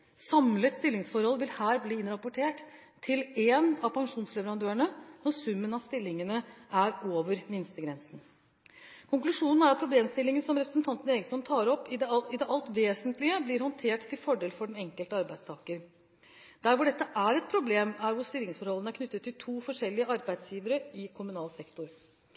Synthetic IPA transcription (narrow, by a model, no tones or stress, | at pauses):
sɑmlət̪st̪ɪlːɪŋsfɔɾhɔlʋɪlhæːɾbliːɪnɾɑpʊʈʰeːʈ | t̪ʰːɪleːnɑʋpʰɑŋʂuːnslɛʋəɾɑnd̪øːəɳənɔɾsʉmːənɑst̪ɪlːɪŋənəʔæɾoːʋəɾmɪnst̪əɡɾɛnsn̩ | kʰʊŋklʉʂuːnn̩æɾɑt̪̚pʰɾʊbleːmst̪ɪlːɪŋənsɔmɾɛpɾəsn̩t̪ʰɑnt̪ənəeːɡəsɔmt̪ʰɑːɾɔpːɪɪd̪ɛʔɑlt̪ʋeːsənt̪lɪəblɪɾhɔnt̪ʰeːʈt̪ʰːɪlfɔɖeːlfɔɖɛnɛŋkəlt̪əɑɾbæɪ̥st̪ʰɑːkəɾ | d̪̥æɾʋʊɖɛt̪ːəʔæɾɛt̪̚pʰɾʊbleːmæɾhʊsst̪ɪlɪŋsfɔɾhɔlənəæɾkʰnʏt̪ːət̪ːɪlt̪ʰuːfɔʂɛlːɪəɑɾbæɪd̪sjiːʋəɾəɪkʰʊmʉnɑːlsɛkt̪ʊɾ